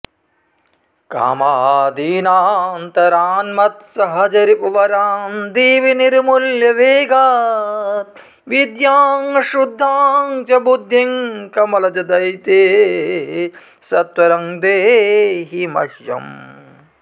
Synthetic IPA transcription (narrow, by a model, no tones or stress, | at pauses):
ka̰ːmaːd̪iːnaːnt̪ɐɾaːnmɐt̪sɐɦɐd͡ʒɐɾipuʋɐɾaːnd̪iːʋiniɾmuljɐʋeːɡaː | t̪̚ | ʋid̪jaːŋɐʃud̪ʱːaːŋt͡ʃɐbud̪ʱjiŋkɐmɐlɐd͡ʒɐd̪ɐjt̪eː | sɐt̪ʋɐɾɐŋd̪eːɦimɐ̰ʃjɐ̰m